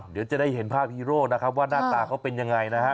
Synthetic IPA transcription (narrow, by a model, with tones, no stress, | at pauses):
di˩˦wt͡ɕa˨˦daː˥˩jɦe˩˦npʰaː˥˩k̚hiː˦˧˥ɾoː˥˩kna˦˥kʰa˦˥p̬̚waː˥˩naː˥˩t̪aː˧kʰa˦˥wpe˧nja˧ŋːa˧jna˦˥kʰa˦˥ʔ